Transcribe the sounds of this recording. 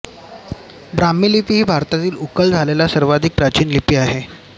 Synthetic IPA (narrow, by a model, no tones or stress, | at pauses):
bɾamːilipiɦiːbʱaɾt̪at̪iːlukəld͡zʱalelasəɾʋad̪ʱik̚pɾat͡ɕiːnlipiːaɦe